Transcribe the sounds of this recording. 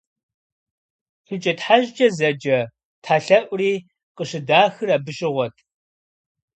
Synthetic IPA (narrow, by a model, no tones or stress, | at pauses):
fɨt͡ʃʼɐtħaʑd͡ʒʼɐzɐd͡ʒɐ | tʰaːɬɐʔʷʼriː | qəɕɪdaːxɨraːbɨɕʼɪʁʷɔtʰ